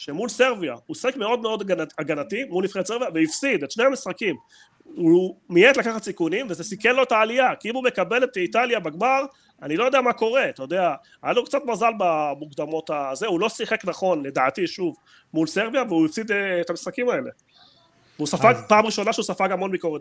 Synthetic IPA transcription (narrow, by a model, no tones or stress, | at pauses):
ʃemulse̞ʁvia̰usiχekme̞o̞dmeo̞d̪ɡnaaɡanatimulifʁed̪seʁvijaveifsid̪etʃneamisχakim | umiet̪lakaχat̪sikunimvezesikenlo̞etaːliakiimume̞kabe̞let̪italjabaɡmaʁ | anilojodeamako̞ʁe̞at̪ajo̞d̪ea | ajalokt͡satmazalbamuɡd̪amo̞t̪azeulo̞siχe̞knaχo̞nle̞d̪aːtiʃuv | mulse̞ʁvijaveuifsid̪ːtamisχakimae̞le̞ | veusafaɡpaːmʁiʃo̞naʃeusafaɡamo̞nbiko̞ʁet